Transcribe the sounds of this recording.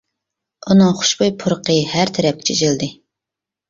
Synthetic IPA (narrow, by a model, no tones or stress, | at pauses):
unɨŋχʊ̥ʃbojpʰʊɾəqəhæɾt̪ʰɛɾɛp̚kʲi̥t͡ʃʰid͡ʒilˠd̪ɨ